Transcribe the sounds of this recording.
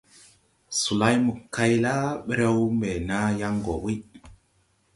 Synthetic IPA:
su˨la˦jmu˨kːa˦jla˦ɓɛ˦ɾe˦wmɛ˨na˦ja˦ŋɡɔ˨wi˦j

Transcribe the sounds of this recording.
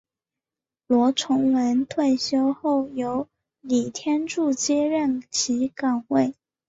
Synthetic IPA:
lwɔ˧˥ʈ͡ʂʰʊ˧˥ŋwə˧˥nt̪ʰwe˥˩ɪɕjo˥ʊxo˥˩ʊjo˧˥ʊ | li˨˩t̪ʰjɛ˥nʈ͡ʂu˥˩t͡ɕjɛ˥ɻə˥˩nt͡ɕʰi˧˥kɑ˨˩ŋwe˥˩ɪ

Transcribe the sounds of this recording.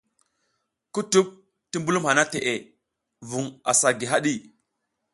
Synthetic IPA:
ku˦tu˦p̚ | ti˦mbu˦lu˦mha˨na˦te˨ʔe˨ | vu˨ŋa̰˨sa˨ɡi˨ɦa˦ɗi˦˨

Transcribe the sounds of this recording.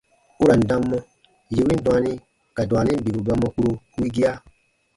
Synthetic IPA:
u˦ɾa˨n̩˨dã˧mːɔ̃˧ | je˨wĩ˦n˦dɔ̃˨˦a˧nĩ˦ | ka˨dw̃a˨nĩ˦n̩˦bi˨bu˨ba˧mɔ˧ku˦ɾo˧ku˦i˦ɡi˦a˦

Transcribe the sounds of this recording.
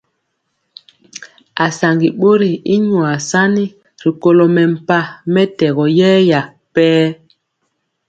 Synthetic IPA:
a˨sa˨ŋɡi˨ɓo˦ɾi˨i˦ɲwa˨sa˦ni˦ | ɾi˨ko˦lo˨mɛ˨m̩˨pa˦mɛ˦tɛ˨ɣɔ˨jɛː˦ja˨ | pɛː˦

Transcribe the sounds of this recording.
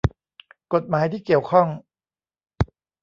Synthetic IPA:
ko˨˩t̪̚maː˩˦jt̪ʰiː˥˩ki˨˩əwkʰɔ˥˩ŋ

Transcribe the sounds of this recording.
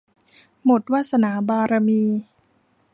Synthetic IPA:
mo˨˩t̪̚waː˥˩t̪̚sa˧naː˩˦baː˧ɾa˧miː˧

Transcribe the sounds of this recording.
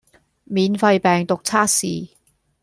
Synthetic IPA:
miː˨˧nfɐ˧jpɛː˨ŋt̪ʊ˨k̚t͡sʰaː˥k̚sḭː˨

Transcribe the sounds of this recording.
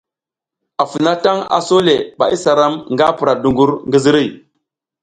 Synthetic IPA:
a˨fi˨na˦ta˦ŋa̰˨so˦le˨ɓa̰˨i˦sa˨ɾa˦mŋɡa˦pɾa˨du˨ŋɡu˦ɾŋɡi˦zi˦ɾi˦˨

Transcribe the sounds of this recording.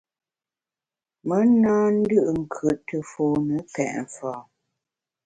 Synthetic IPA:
mə˦naː˦n̩˦dɨ˦ʔŋ̩˨kʰə˨ʔtə˨foː˨nə˨˦kɛ̰˨ʔɱ˨faː˨

